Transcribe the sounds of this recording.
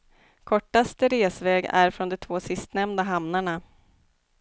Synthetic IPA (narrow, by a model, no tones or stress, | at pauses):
kʰɔʈːast̪əɾeːsvɛːɡæ̰ɾfɾɔnd̪ɛt̪ʰvoːsɪst̪nɛmnd̪aɦamnaɳa